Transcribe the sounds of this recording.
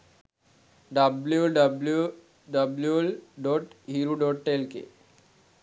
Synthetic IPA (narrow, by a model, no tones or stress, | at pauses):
ɖɐbluɖɐblu | ɖɐbljulɖɔʈɦiɾuɖɔʈʈelkḛ